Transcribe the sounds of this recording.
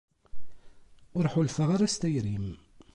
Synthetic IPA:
ʊɾħʊlfəʁaɾast̪æjɾim

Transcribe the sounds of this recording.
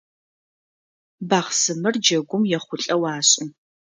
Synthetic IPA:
baːʁsɨmɨrd͡ʒɐɡʷʊmjɛχʷʊɬʼɐwaːɕʼʊ

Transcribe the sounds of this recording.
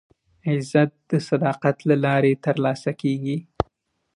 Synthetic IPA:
ɪzat̪̚d̪̥əsad̪ɑqat̪lalɑɾet̪əɾlɑsakeɡi

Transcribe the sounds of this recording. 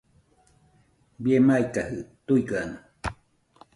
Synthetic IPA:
biemaikahɯt̪uikanɨ

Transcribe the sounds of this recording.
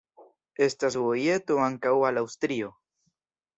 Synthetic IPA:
est̪asvojet̪oaŋkawalawst̪ɾio

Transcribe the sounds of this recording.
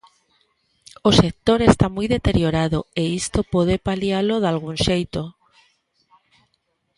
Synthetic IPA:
ose̞k̚t̪o̞ɾe̞st̪amujðe̞t̪e̞ɾjo̞ɾaðoeist̪o̞poðe̞paljaloðalɣ̞unʃejt̪o

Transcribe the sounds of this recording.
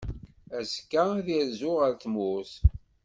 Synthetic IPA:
æskːaðiɾzʊʁəɾt̪mʊs

